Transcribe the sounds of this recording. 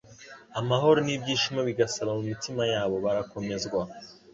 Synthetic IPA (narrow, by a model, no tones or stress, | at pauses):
amaɦo̞ɾonibɟiːʃimaβiɡasaβamumitimajaːβo̞βaɾako̞me̞zɡwa